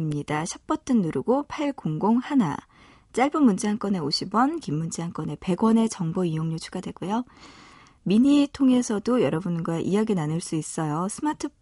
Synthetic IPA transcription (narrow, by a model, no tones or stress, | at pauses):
mɲid̥aɕʰʌp̚p͈ʌtʰɯnːuɾuɡopʰaɭkoŋɡoŋhana̰ | t͡ɕ͈aɭbɯmund͡ʑeɦaŋk͈ʌne̞oɕʰibwʌnkimːund͡ʑeaŋk͈ʌne̞pe̞ɡwʌne̞t͡ɕʌŋboijoŋɲot͡ɕʰuɡadwe̞ɡujo | miɲitʰoŋe̞sʰʌdojʌɾʌbunɡwaʔijaɡinanɯɭs͈uis͈ʌjosʰɯmatʰɯ